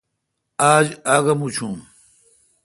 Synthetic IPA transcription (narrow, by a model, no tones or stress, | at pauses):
aːd͡ʑaːɡɐmut͡ɕʰũːm